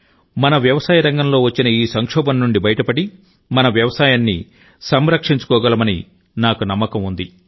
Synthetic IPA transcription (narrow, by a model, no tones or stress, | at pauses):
mɐnɐʋjɐʋɐsaːjɐɾɐŋɡɐmlo̞ːʋɐt͡ʃːinɐiːsɐŋkʂɔːbɐnːuɳɖibɐjɐʈɐpɐɽi | mɐnɐʋjɐʋɐsaːjanːḭ | sɐmɾɐkʂiɲt͡ʃu̥kɔːɡɐlɐmɐnḭ | naːkunɐmːɐkɐmund̪i